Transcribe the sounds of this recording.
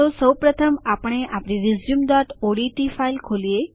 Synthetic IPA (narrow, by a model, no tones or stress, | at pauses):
osəwpɾət̪ʰəmapəɳ̃eʔapñiɾizjumd̪ɔʈoɽiʈifailkʰolie